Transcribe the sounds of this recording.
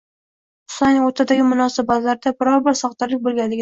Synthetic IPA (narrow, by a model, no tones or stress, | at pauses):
ʊ̥sanoɾt̪ʰad̪aɡʲɪmʊnɒsɪbat̪laɾd̪abɪɾɒɾbɪɾsɒχt̪ɪɾlɪk̚ʲbolˠɡʲand̪ɪɡʲɪ